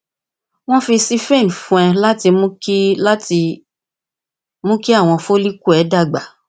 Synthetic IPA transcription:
w̃ɔ̃˦fi˧si˦fẽ˦˨n˨fũ˧˦ɛ˧la˦ti˧mũ˦ki˦la˦ti˧ | mũ˦ki˦a˦˨w̃ɔ̃˧fo˦li˦ku˦ɛ˨˦da˦˨ɡ͡ba˨

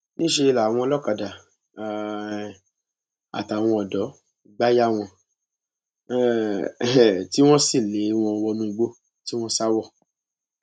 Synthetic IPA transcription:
nĩ˦ʃe˧i˧la˨w̃ɔ̃˧lɔ˦˨ka˨da˨ | a̰˨ta˨w̃ɔ̃˧ɔ˨dɔ˨˦˨ | ɡ͡ba˦ja˦˨w̃ɔ̃˧ | ti˦w̃ɔ̃˦si˦˨le˨˦w̃ɔ̃˧wɔ˧mũ˧ɡ͡bo˦ | ti˦w̃ɔ̃˦sa˦wɔ˦˨

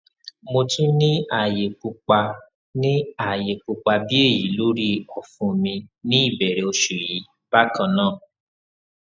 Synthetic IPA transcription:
mo˧ti˦nĩ˦a˨je˨k͡pu˧k͡pa˧ | nĩ˦a˨je˨k͡pu˧k͡pa˧bi˦e˦˨ji˨˦lo˦ɾi˦ɔ˦˨fũ˨˧mĩ˧nĩ˦i˦˨bɛ˨ɾɛ˨o˧ʃu˨ji˨˦ | b̥a˦kã˧nãː˦˨

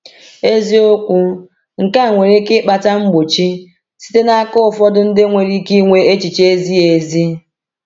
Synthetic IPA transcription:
e˦zi˦o˦kʷu˦ | ŋ̩˨ka˦˨ŋʷe˨ɾe˦kɪ˦k͡pa˨ta˦ŋ͡m̩˦ɡ͡bo˨t͡ʃi˦ | si̥˦te˦na˦a˦kʊ˦ʊ˨fɔ˦dʊ˦n̩˦dɪ˦ŋʷe˨ɾi˦ki˦ŋʷe˦e˦t͡ʃi˨t͡ʃe˦zi˦e˨zi˦

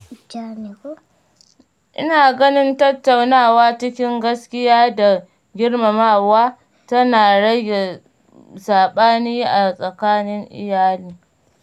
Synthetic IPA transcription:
d͡ʒa˦ni˨kʷo˦ | ʔɪ̰˦naː˨ɡɐ˦nɪ˦ntɐ˦tːa˨wnaː˦˨waː˦t͡ʃɪ˦kʲɪ˦ŋɡɐ˦skʲɪ˦jaː˦da˨ | ɡʲɪ˦ɽma˨maː˦˨waː˦ | tɐ˦naː˨ɽɐ˦ɡʲe˨ | saː˨ɓaː˦niː˦ʔa˨sʼɐ˨kaː˦nɪ˦ŋʔɪ̰˦jaː˦liː˦

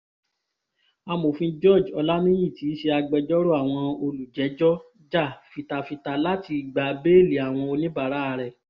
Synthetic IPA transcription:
a˧mo˨fĩ˧d͡ʒɔ˦˨d͡ʒɔ˧la˦nĩ˦j̃ĩ˦˨ti˨˦ʃe˧a˧ɡ͡bɛ˧d͡ʒɔ˦ɾo˦a˦˨w̃ɔ̃˧o˧lu˨d͡ʒɛ˨˦d͡ʒɔ˦ | d͡ʒa˦˨fi˧ta˧fi˧ta˧la˦ti˧i˨ɡ͡ba˨˧be˦e˦˨li˨a˨w̃ɔ̃˧o˧nĩ˦ba˨ɾa˨˦˧ɾɛ˨

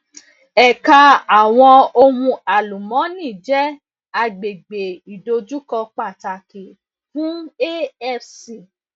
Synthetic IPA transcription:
ɛ˨ka˧a˨w̃ɔ̃˧o˧hũ˧a˨lu˨mɔ̃˨˦nĩː˦˨d͡ʒɛ˦ | a˧ɡ͡be˨ɡ͡be˨i˨do˧d͡ʒu˦kɔ˧k͡pa˦˨ta˨ke˨ | fũ˨˦e˦ɛ˦˨fsi˨

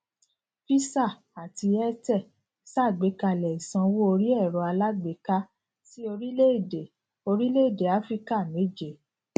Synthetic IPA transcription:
fi˦sa˦˨ | a˨ti˧ɛ˦tɛ˦˨ | sa˦˨ɡ͡be˨˦ka˧˨lɛ˨i˨sã˧wo˦o˧ɾi˦ɛ˦˨ɾɔ˨˦a˧la˦ɡ͡be˨˦ka˦ | ti˦o˧ɾi˦le˦i˦˨de˨ | o˧ɾi˦le˦i˦˨de˨a˨˦fɾi˦ka˦˨me˨˦d͡ʒe˨

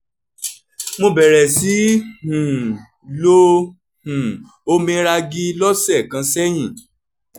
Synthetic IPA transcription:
mõ˧bɛ˨ɾɛ˨si˨˦hũ˨ | lo˦ | hũ˨ | o˧˦mĩ˧˦ɾa˧ɡi˦lɔ˦sɛ˦˨kã˧˦sɛ˦j̃ĩ˦˨

